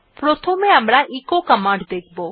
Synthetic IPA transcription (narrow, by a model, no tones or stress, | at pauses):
pɾot̪ʰomeamɾaʔekokamãɳɖd̪ek̚ʰbo